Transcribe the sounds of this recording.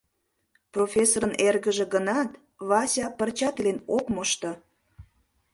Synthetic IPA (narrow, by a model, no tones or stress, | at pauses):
profʲesoɾənerɣəʒĕɡənɑt̪ | βɑsʲɑpərt͡ɕɑt̪lenokmoʃt̪o